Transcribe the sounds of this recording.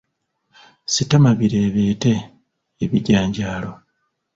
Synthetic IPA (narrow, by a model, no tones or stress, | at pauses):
sitamaβiɾe̞ːβe̞ːte̞ː | βiɟaːɲɟaːlo̞